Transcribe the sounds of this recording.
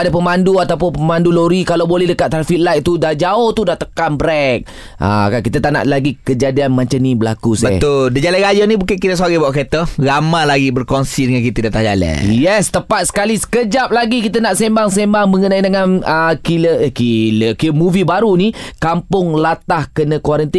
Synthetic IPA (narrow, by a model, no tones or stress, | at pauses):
adəpəmanduat̪awp̬ʊnpəmanduloɾikalawbolɛhdəkat̪ʔ̚t̪ːɾafit̪̚lajt̪̚t̪udahd͡ʒaʊht̪udaht̪əkanbɾɛk̚ | ʔa̰kankit̪ət̪aʔna̰ʔlaɡikəd͡ʒadianmaɲt͡ʃanibəlakusbət̪ʊldad͡ʒalɛɾajanĩbukankit̪əsaɾibawaʔket̪əɾamãlaɡibərkonsidəŋankit̪ədat̪ahd͡ʒalɛ̰jɛst̪əpat̪̚sə̥kalisə̥kəd͡ʒap̚laɡikit̪ənaʔsembaŋsembaŋməŋənãidəŋanəkiləkiləkiəmuvibaɾunikampʊŋlat̪ahkənəkwaɾənt̪i